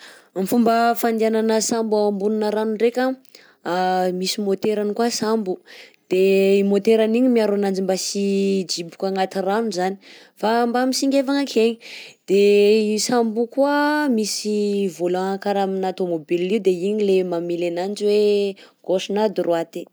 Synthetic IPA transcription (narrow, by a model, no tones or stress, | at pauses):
mifumbəfand̪iananəsambuambununəɾanurekʲa | amisimot̪eɾanikasambud̪̥eimot̪eɾaniɲimiaɾanand͡ʒimbasid͡ʒibu̥kʲaŋat̪iranuzani̥ | fambamisiŋɡʲevaŋakʰeɲid̪̥eisambukuamisivolakaɾaminat̪omobilːiwd̪eiɲilemamilanand͡ʒiweɡ̥oʃinad̪urʔwat̪e